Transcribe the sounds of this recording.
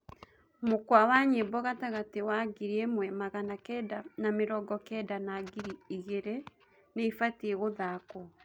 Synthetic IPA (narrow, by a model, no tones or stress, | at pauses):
mokwawaɲebɔɣataɣatewaɡiɾiemwɛmaɣanakɛdanameɾɔɡɔkɛdanaɡiɾiiɣeɾe | neifatieɣoðakɔ